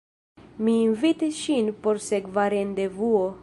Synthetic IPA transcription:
minvit̪ʃinpɔɾsɛɡvaɾend̪evuo

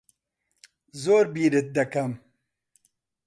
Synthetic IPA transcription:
zoːɾbiːɾɨt̪̚d̪ɐkɐm

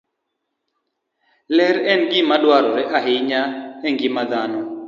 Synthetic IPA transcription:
lɛɾɛnɡɪmaɗwaɾɔɾɛʔaɦejɲaɛŋɡɪmad̪anɔ

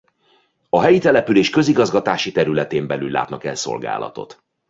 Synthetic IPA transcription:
ɒɦɛjit̪ɛlɛpyleːʃkø̞ziɡɒzɡɒt̪aːʃit̪ɛɾylɛt̪eːmbɛlylːa̰ːt̪nɒkɛlso̞̰lɡa̰ːlɒ̰t̪o̞̰t̪

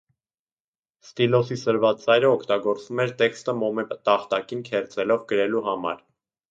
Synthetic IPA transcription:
st̪ilɔsisəɾvɑt͡sɑjɾəɔkʰt̪ɑɡɔɾt͡svumɛɾt̪ɛkst̪əmɔmɛt̪ɑχt̪ɑkinkʰɛɾt͡sɛlɔvɡəɾɛluɦɑmɑ̰ɾ

